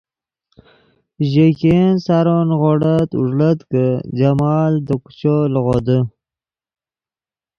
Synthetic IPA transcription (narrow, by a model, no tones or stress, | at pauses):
ʒekensaɾonɣoɽat̪ṵʐlət̪kəd͡ʒamɑld̪əku̥t͡ʃolɣod̪ə